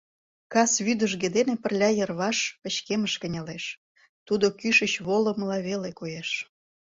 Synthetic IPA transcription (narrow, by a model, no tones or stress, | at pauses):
kɑsβyd̪əʒɡed̪enepərlʲɑjərβɑʃə̆ɕkeməʃkə̆nʲɑleʃ | t̪ud̪okyʃət͡ɕβolə̆məlɑβelekojeʃ